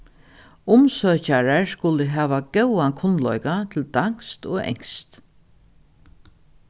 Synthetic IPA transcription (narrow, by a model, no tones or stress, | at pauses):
ʊmsœːt͡ʃaɹaɹskʊlɪɦæːʋaɡɛwakʰʊnlɔ̰jkat̪ʰɪld̪aŋ̥st̪oːɛ̰ŋst̪